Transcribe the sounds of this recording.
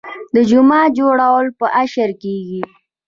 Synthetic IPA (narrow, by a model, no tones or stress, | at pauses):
d̪əd͡ʒʊmɑd͡ʒoɽawəlpəʔaʃəɾkeɡi